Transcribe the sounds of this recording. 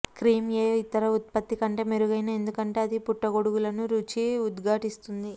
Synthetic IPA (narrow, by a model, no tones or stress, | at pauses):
kɾiːmjeːjoit̪ːɐɾɐut̪̚pɐt̪ːikɐɳʈe̞ːmeɾuɡɐjnɐe̞nd̪ukɐɳʈe̞ːɐd̪ipuʈːɐɡo̞ɽuɡulɐnuɾuːt͡ʃiud̪ɡʱaːʈist̪und̪i